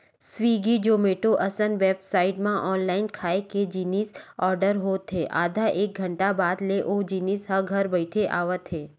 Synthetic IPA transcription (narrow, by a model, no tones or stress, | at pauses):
swiːɡid͡ʒoːmeːʈoʔɐsənʋeːpsaːɪʈmãʔɔːnlaːɪnkʰaːeked͡ʒiːnisɔːɾɖəɾɦoːt̪ɦeːʔa̰ːd̪ʱaʔeːk̚ɡʱə̃ɳʈabaːd̪leʔoːd͡ʒiːniːsɦɐɾɡʱɐɾbəɪʈʰeʔa̰ːʋət̪ɦeː